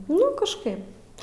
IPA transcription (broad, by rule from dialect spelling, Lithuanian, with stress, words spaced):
nʊ kɐʃˈkɐɪp